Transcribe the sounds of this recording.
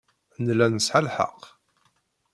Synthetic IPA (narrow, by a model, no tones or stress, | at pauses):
nlænəsħalħə̰q